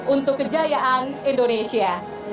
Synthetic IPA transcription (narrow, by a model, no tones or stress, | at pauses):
unt̪ʊkːəd͡ʒajaʔanindonesia